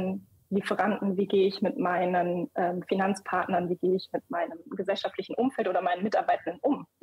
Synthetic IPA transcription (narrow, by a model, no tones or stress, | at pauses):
n | lifəʁandn̩viːɡeːəɪçmɪtmaɪnənʔɛːmfinant͡spʰaɐtnɐnviːɡeːəɪçmɪt̚maɪnəmɡəzɛlʃaftlɪçn̩ʔʊmfɛltʔoːdɐmaɪnənmɪtaɐbaɪtn̩dənʔʊm